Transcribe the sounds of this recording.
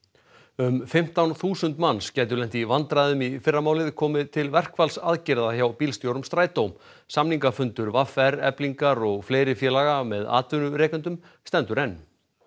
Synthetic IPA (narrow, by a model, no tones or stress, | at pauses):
ʏmfɪm̥t̪awnθuːsʏnt̪manscɛːjt̪̬ʏɾlɛnt̪ivant̪ɾaðʏmifɪrːamaːwlɪðkʰɔːmɪðt̪ʰɪlvɛr̥kʰfalsaðcɪɾðaçawpiːlst̪jowɾʏmst̪ɾaːjt̪owm | samniŋkafʏnt̪ʏɾvafɛɾɛ̰pliŋkaɾɔɣfleːjɾɪfjɛːlaɣamɛða̰ːt̪vʏnʏɾeːkʏnt̪ʏm | st̪ɛnt̪ʏɾɛnː